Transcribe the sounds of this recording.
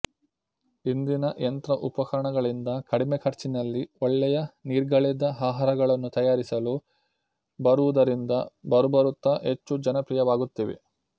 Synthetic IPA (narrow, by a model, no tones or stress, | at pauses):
ind̪inɐʔent̪ɾɐʔupɐkɐɾɐɳɐɡɐɭind̪ɐkɐɽimekʰɐɾt͡ʃinɐlːiɔɭːɛjɐniːɾɡɐɭɛd̪ɐɦaːɦɐɾɐɡɐɭɐnːut̪ɐjaːɾisɐlu | bɐɾuʋud̪ɐɾind̪ɐbɐɾubɐɾut̪ːɐɦet͡ʃːud͡ʒɐnɐpɾijɐʋaːɡut̪ːiʋḛ